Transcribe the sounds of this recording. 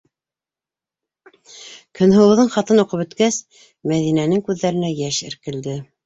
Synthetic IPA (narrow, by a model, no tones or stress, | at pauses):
kɵ̆nɦɤ̆wɤ̆ðɤɴχɑt̪ɤnuqɤpɵ̆t̪kæs | mæðinænɘŋkʉðːæɾɘ̆næjæʃɘ̆ɾkɘ̆ld̪ɘ